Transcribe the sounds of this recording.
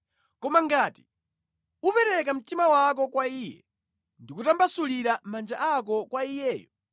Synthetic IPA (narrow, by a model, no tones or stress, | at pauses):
kɔmaŋɡaːti̥ | upɛɾɛk̬am̩timawak̬ɔkwaiːjɛ̰ | ndikutambasuliɾamand͡ʒaʔak̬ɔkwaijɛːjɔ